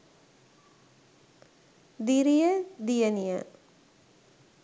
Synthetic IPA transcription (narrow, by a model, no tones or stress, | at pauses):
d̪iɾijəd̪ijənijə̰